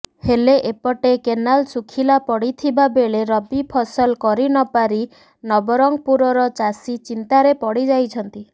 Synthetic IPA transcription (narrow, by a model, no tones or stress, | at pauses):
heleʔepɔʈekenalsukʰilapɔɽit̪ʰibabeɭeɾɔbipʰɔsɔlkɔɾinɔpaɾi | nɔbɔɾɔŋpuɾɔɾɔt͡ʃasit͡ʃint̪aɾepɔɽid͡ʒajt͡ʃʰɔnt̪i